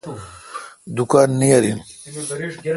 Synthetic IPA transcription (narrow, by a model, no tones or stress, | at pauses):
d̪ukaːnːijaɾin